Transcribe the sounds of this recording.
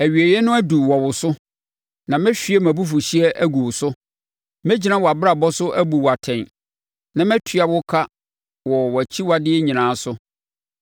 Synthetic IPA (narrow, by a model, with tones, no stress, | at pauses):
æ˨ɥi˨e˨jɛ˦nʊ̃˦æ˦du˨wɔ˨wʊ˨sʊ˦ | nã˨mɪ̃˦ɕᶣi˨˦e˦mæ̃˨bu˦f̬ʊ˨ɕi˦ɛ˦ʔæ˦ɡu˨wsʊ˦ | mɛ̃˦d͡ʑi˦nã˦wɔ˨a˨bɾa˨bɔ˦sʊ˦ʔæ˦bu˨wa˨tʰɛ̃˨n | nã˨mɛ̃˦tʰɥa˨wʊ˦kʰa˦ | wɔ˨wɔ˨æ˨t͡ɕʰi˦wa˨dɪ˦ɲĩ˨nãː˨˦sʊ˦